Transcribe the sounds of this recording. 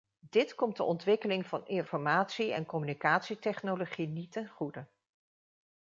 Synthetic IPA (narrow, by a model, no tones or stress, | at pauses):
d̥ɪtkɔmdəɔntʋɪkəlɪŋvɑnɪnfɔɹmaːtsiɛ̰nkɔmynikaːtsitɛχnoloχinitɛnχudə